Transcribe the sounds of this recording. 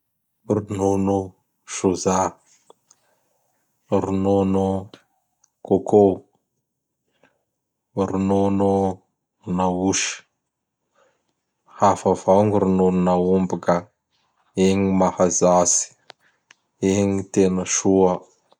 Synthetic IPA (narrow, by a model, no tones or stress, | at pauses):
rinonu | ʃoza | ɾinonu | kokʰo | ɾinonu | nauʃi̥ | hafavawŋiɾinonunaumbika | eɲimahazasi̥ | eŋit̪enəʃuə